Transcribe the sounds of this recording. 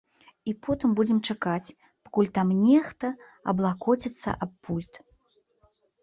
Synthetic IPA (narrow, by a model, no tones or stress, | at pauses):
ipɔt̪ɨmbud͡zʲɛmt͡ʂakat͡sʲ | pḁkulʲt̪amnʲɛxt̪ɐ | ɐ̰blˠakɔt͡sʲɛt̪sːɐ̰ʔapːulʲt̪